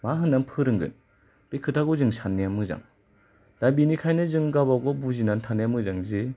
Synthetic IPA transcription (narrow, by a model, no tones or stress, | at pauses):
maɦɯnːanpʰɯɾɯŋɡɯ̰n | b̥ekʰɯtʰaɡɔzɯŋsʰanːejamɯza̰ŋ | d̥abinikʰajnɯzɯŋɡabaɡɔbuzinantʰanejamɯzaŋzi